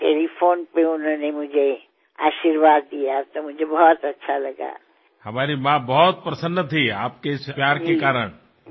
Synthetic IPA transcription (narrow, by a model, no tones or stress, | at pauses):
ʈeːlipʰoːnpeʊnõnemʊd͡ʒʱe | a̰ːʃiɾʋaːd̪ːijat̪omʊd͡ʒʱebɔːt̪ɐtːʃʰalɐɡa̰ | hɐmaːɾimãbɔːt̪̚pɾɐsənːət̪ʰiaːp̚kespjaːɾkekaːɾəɽ̃